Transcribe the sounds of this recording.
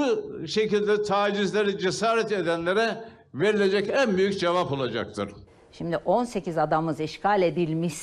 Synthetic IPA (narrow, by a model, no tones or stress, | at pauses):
uʃe̞cilʲd̪ɛt̪ʰaːd͡ʒizlʲeɾid͡ʒesaːɾɛt̪ed̪ænlʲeɾɛ | ve̞ɾilʲe̞d͡ʒɛcænbyjycd͡ʒevapo̞lˠad͡ʒa̰k̚t̪ʰɯ̰ɾ̥ | ʃimd̪iʔo̞nse̞cizad̪amɯziʃkʰalʲe̞d̪ilʲmiʃ